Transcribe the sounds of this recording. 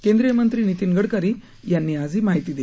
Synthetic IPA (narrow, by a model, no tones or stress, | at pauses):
kẽnd̪ɾijəmənt̪ɾiːnit̪iŋɡəɽkaɾiː | janːiːad͡zʱiːmaɦit̪iːd̪e